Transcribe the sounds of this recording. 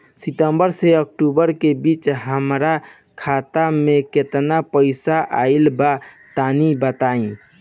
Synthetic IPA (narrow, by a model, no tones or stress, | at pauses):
sit̪əmbəɾseək̚ʈubəɾkebiːt͡ʃɦəmɾa | kʰat̪amẽket̪napəɪsaʔa̰ilba | t̪anibət̪aĩ